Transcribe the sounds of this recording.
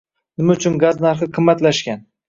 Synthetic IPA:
nɪmaʊt͡ʃʰʊnɡaznaɾχɨqʰɨmːat̪laʃkʲan

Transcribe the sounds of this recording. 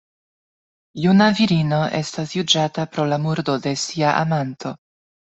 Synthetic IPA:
junaviɾino̞ʔe̞stasjud͡ʒatapɾo̞lamuɾdo̞de̞siaʔa̰mantʰo̞

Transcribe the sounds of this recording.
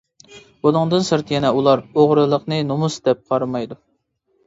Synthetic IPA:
bulˠɨŋd̪ɨnsɨɾt̪ʰjɛnɛulˠɑɾoʁɾɨlˠəqnɨnomusd̪ɛp̚qʰɑɾmɑjd̪u

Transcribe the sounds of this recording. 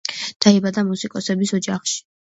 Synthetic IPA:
d̪̥aibad̪amusikʼɔsɛbisɔd͡ʒaχʃi̥

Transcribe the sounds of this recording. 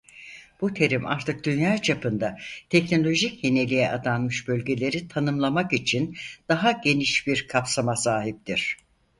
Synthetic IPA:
b̥ut̪ʰe̞ɾima̰ɾt̪ʰɯk̚d̪ynjaːt͡ʃʰapʰɯnd̪at̪ʰɛcno̞lʲo̞ʒicje̞ne̞lʲijɛʔad̪anmɯʃbølʲɟe̞lʲe̞ɾit̪ʰanɯmlˠamakit͡ʃʰind̪̥aɦaɟe̞niʃbiɾkʰapsamasaːɦip̚t̪ʰiɾ̝̥

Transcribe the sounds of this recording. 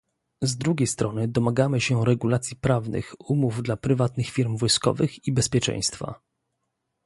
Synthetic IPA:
zd̪ɾuɡʲejst̪ɾɔnɘd̪ɔmaɡamɘɕɛɾɛɡulat̪sʲjipɾavnɘ̰xumuvd̪lapɾɘvat̪nɘxfʲiɾmvɔjskɔ̰vɘxibɛspʲjɛt͡ʂɛ̰̃j̃st̪fa̰

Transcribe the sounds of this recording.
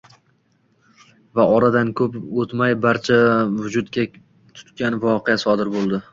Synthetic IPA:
vaɒɾad̪ankʰɵpot̪majbaɾt͡ʃʰavʊd͡ʒʊd̪kʲa | t̪ʰʊ̥t̪kʲanvɒqʰeasɒd̪ɪɾbolˠd̪ɪ

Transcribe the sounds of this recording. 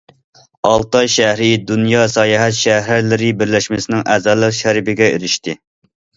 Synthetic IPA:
ɑ̰lˠt̪ɑjʃæhɾɪd̪unjɑsɑjɑɦɛt̪ʃæhɾɾlɪɾɪbɪɾlɛʃmɪsɪnɪŋʔæːzɑːlˠəqʃɛɾɪbɪɡʲɛiɾɪʃt̪ɪ

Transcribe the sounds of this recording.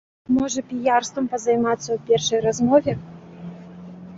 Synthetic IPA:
mɔʐɐpʲijarst̪vɐmpɐzajmat̪sːɐwpʲɛrʂɐjrazmɔvʲɛ

